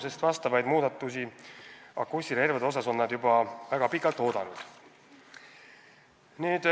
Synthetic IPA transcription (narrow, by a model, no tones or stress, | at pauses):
se̞st̪vɑst̪ɑvɑjd̪muːd̪̥ɑt̪ːˑusi | ɑ̰kːusiɾerveo̞s̬ɑso̞nːɑd̪̥jubɑvæɡ̥ɑpikːˑɑlt̪ːˑo̞ːd̪̥ɑnud̪̥ | niːd̪̥